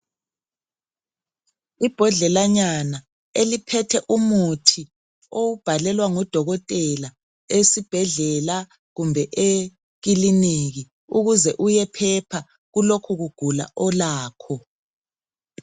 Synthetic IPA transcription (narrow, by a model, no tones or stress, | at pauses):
ib̥ʱɔɮɛlaɲana | elipʰɛtʰɛʔumutʰi | owub̥ʱalɛlwaŋɔd̥ʱɔɣɔtʼɛla | esib̥ʱɛɮɛla | ɣumbʱɛʔe | ɣiliniɣi | uɣuzɛʔujɛpʰɛpʰa | ɣulokʰuɣuɡ̥ʱula̰ʔɔlaːkʰɔ